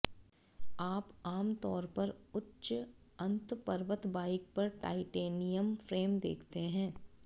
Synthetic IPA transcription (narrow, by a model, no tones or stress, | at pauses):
aːpaːmt̪ɔːɾpɐɾʊtːʃɐ̃nt̪pɐɾʋət̪baːɪk̚pɐɾʈa̰ːɪʈeːnijəmfɾeːmd̪ḛːkʰt̪eɦɛ̃ː